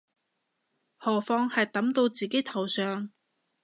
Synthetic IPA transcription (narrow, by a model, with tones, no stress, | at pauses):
hɔː˨˩fɔː˧ŋhɐ˨jt̪ɐ˨˥mt̪o˧wt͡siː˨ke˨˥t̪ʰɐ˨˩wsœː˨ŋ